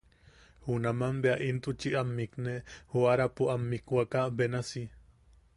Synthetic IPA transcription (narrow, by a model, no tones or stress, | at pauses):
hunamambeaʔint̪ut͡ʃiamːiknehoaɾapuamːikwakabenasi